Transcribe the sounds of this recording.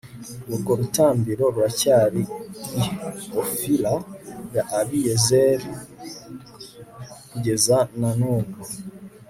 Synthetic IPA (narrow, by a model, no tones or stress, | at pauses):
βuɾɡoɾutaːmbiɾo̞ɾwacaːɾiː | ofilajaʔːβijezeɾi | kuɟe̞zananoːŋɡo